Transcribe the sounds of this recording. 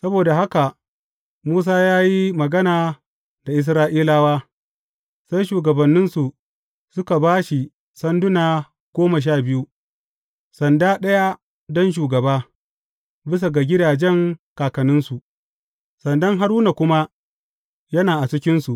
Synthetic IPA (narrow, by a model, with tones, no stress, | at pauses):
sɐ˦boː˨da˨ɦa˦ka˨ | muː˦s̬aː˦jaː˦ji˦mɐ˨ɡɐ˦naː˨ | da˨ʔɪ˦s̬ɾaː˦ʔiː˦laː˦waː˦ | sa˦jʃuː˨ɡɐ˨bɐ˨nːɪ˦nsu˨ | sʊ˦ka˨baː˦ʃi˨ | sɐ˦ndʊ˦naː˨ | ɡ̥oː˦mɐ˨ʃ̬aː˦˨bɪ˦ju˦ | sɐ˨ndaː˦ɗɐ˦ja˦ | dɔ˦nʃ̬uː˨ɡɐ˨baː˦ | bɪ˦s̬a˨ɡa˨ɡʲɪ˦daː˨d͡ʒɛ˦ŋkaː˨kɐ˨nɪ˦nsu˨ | sɐ˨ndɐ˦ŋɦa˦ɾuː˦na˨kʷʊ˦ma˦ | jɐ˦naː˨ʔa˨t͡ʃɪ˦kʲɪ˦nsu˨ʔ